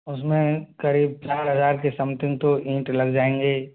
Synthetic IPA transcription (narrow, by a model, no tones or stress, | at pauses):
ʊsmẽkɐɾiːb̚t͡ʃaːɾɦɐzaːɾkesɐmt̪ɪ̃ŋɡt̪oʔĩːʈlɐɡd͡ʒaːẽːŋɡeː